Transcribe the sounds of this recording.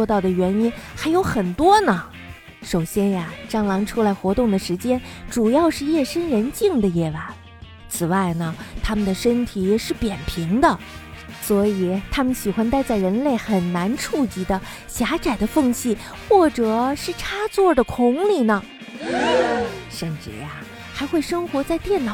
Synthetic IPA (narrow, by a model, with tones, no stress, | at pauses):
ɔ˥˧t̪ɑ˥˩ʊd̪ə˩ɥɛ˧˥ni˥nxa˧˥ɪjo˧˥ʊxə˨˩nt̪wɔ˥nə˨ | ʂo˨˩ʊɕjɛ˥nja˨ʈ͡ʂɑ˥ŋlɑ˧˥ŋʈ͡ʂʰu˥la˧˥ɪxwɔ˧˥t̪ʊ˥˩ŋd̪ə˩ʂɻ̩˧˥t͡ɕjɛ˥nʈ͡ʂu˨˩jɑ˥˧ʊʂɻ̩˥˧jɛ˥˩ʂə˥nɻə˧˥nt͡ɕi˥˩ŋd̪ə˩jɛ˥˩la˧˥n | t͡sʰɹ̩˨˩wa˥˩ɪnə˩t̪ʰa˥mə˨nd̪ə˩ʂə˥nt̪ʰi˨˩ɛ˦˩ʂɻ̩˥˩pjɛ˨˩npʰi˧˥ŋd̪ə˧ | swɔ˧˥i˨˩t̪ʰa˥mə˨nɕi˨˩xwa˥nt̪a˥˧ɪt͡sa˥˩ɪɻə˧˥nle˥˩ɪxə˨˩nna˧˥nʈ͡ʂʰu˥˩t͡ɕi˧˥d̪ə˧ | ɕja˧˥t͡sa˨˩ɪd̪ə˦fɤ˥˧ŋɕʰi˥˩ | xwɔ˥˩ʈ͡ʂɤ˨˩ʂɻ̩˥˩ʈ͡ʂʰa˥t͡swɔ˥˩d̪ə˩kʰʊ˧˥ŋli˨˩nə˩ | ʂə˥˧nʈ͡ʂɻ̩˥˩ja̰˩ | xa˧˥ɪxwe˥˩ɪʂɤ˥ŋxwɔ˧˥t͡sa˥˧ɪt̪jɛ˥˩nnɑ˨˩